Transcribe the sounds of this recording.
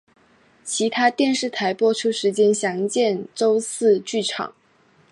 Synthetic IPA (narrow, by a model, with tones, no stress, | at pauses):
t͡ɕʰi˧˥t̪ʰa˥t̪jɛ˥˧nʂɻ̩˥˩t̪ʰa˧˥ɪpwɔ˥ʈ͡ʂʰu˥ʂɻ̩˧˥t͡ɕjɛ˥nɕjɑ˧˥ŋt͡ɕjɛ˥˩nʈ͡ʂo˥ʊsɹ̩˥˧t͡ɕy˥˩ʈ͡ʂʰɑ̰˨˩˦ŋ